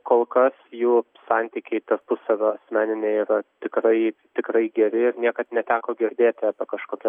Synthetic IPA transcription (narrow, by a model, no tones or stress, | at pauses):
koːlˠkɐsjuː | sɑnʲt̪ʲiːkʲɛɪt̪ɐrpʊssɐʋʲoːɐsʲmʲæːnʲɪnʲeːiːɾɐt̪ʲɪkɾɐɪt̪ʲɪkɾɐɪɡʲɛɾʲɪɪɾnʲiɛkɐt̪nʲɛt̪ʲæːkoːɡʲɪɾʲd̪ʲeːt̪ʲɪɐpʲɛkɐʃkoːkʲɛ